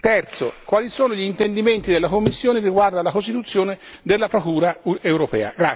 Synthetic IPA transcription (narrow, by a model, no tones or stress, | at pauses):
t̪ɛrt̪sokwaːlisoːnoʎiːnt̪end̪iment̪id̪elːakomːisːjoːneriɡward̪alakost̪it̪ut̪sːjoːne | d̪elːapɾokuːɾaewɾopɛ̰ːa̰ɡɾa